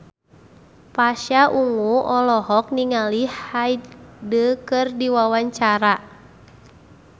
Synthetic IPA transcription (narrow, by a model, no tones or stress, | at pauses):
paʃaʔuŋuʔɔlɔɦɔk̚niŋalihaidəkɨrdiwawaɲt͡ʃaɾa